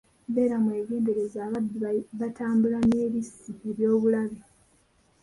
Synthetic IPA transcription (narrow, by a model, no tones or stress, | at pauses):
be̞ːɾamwe̞ːɡe̞ːnde̞ɾe̞zaːβadiβataːmbulaneːɾisieβjo̞ːβulaβe